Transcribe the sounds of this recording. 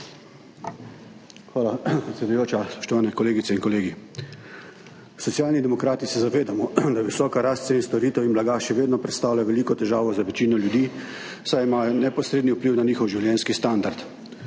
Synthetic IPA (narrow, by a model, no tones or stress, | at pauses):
xʋaːlapɾɛt̪sʲɛd̪ujoːt͡ʃaspɔ̥ʃt̪ɔʋaːnɛkɔleːɡit̪sɛinkɔleːɡi | sɔt̪sjaːlnid̪ɛmɔkɾaːt̪isɛzaʋeːd̪amɔd̪aʋisɔːkaɾast̪sɛinst̪ɔɾiːt̪ɛwinblaɡaʃɛʋeːd̪nɔpɾɛt̪st̪aːwljaʋɛliːkɔt̪ɛʒaːʋɔzaʋɛt͡ʃiːnɔljud̪iː | sajimajɔnɛpɔsɾeːd̪niupliːwnaniːxɔwʒiwljɛːnskist̪and̪aɾt̪